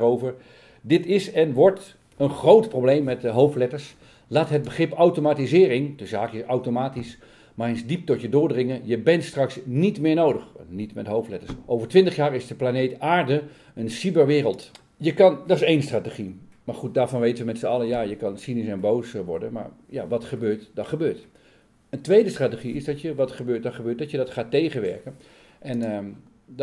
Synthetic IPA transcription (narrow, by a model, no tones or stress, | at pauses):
rowvəɹ | dɪtɪsɛnʋɔɹt | ənχrowtprowblejmːɛtəɦowftlɛtəɹs | laːtɦəd̚bəχrɪpawtomaːtizɪːrɪŋdəzaːkɪsawtomaːtis | maːrejnzdip̚tɔtjədʊːɹdrɪŋəjəbɛntstrɑksnitmɪːɹnowdəχnitmɛtɦowftlɛtəɹsʔowvəɹtʋɪntəχjaːɹɪzdəplanejtaːɹdə | ənsibəɹʋɪːɾəlˠt | jəkɑndɔɪsejnstratəχimaɹχut̚daːɹvɔnʋejtəʋəmɛtsəɑlˠəjajəkɑnsinisɛnbowsʋɔ̰ɹdənma̰ɹja̰ʋɑtχəbøːɹtdɔχəbøːɹt | əntʋejdəstratəχiɪsdɔtjəʋɑtχəbøːt̚dɔχəbøːt̚dɔtjədɔtχaːtːejɣənʋɛɹkən | ʔɛnə